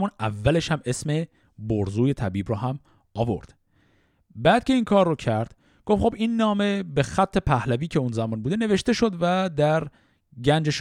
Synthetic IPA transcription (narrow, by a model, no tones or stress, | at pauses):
muːnævːæle̞ʃhæme̞sme̞ | boɾzuːje̞t̪ʰæbiːbɾɔːɦæm | ɒːvo̞̰ɾd̪̥ | bæːd̪̥̚cʰe̞iːnkʰɒːɾːɔcʰæɾd̪̥ | ɡ̥o̞fxo̞biːnːɒːme̞be̞xæt̪ʰːe̞pʰæhlæviːcʰeunzæmɒːnbuːd̪ene̞ve̞ʃt̪e̞ʃo̞d̪væd̪æɾ | ɟænd͡ʒeʃ